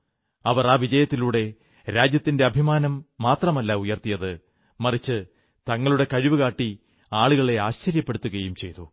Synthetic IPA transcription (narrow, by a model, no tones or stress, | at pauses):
ɐʋɐraːʋid͡ʑɐjɐt̪ːiluːɽe̞ | ɾaːd͡ʑjɐt̪ːinde̞ɐbʱimaːnɐmːaːt̪rɐmɐlːaujɐrt̪ijɐðɨ | mɐrit͡ɕːɨ | t̪ɐŋːɐɭuɽe̞kɐɻiʋukaːʈːi | aːɭuɣɐɭe̞aːɕt͡ɕɐɾjɐpːeɽut̪ːuɣɐjumt͡ɕe̞jt̪u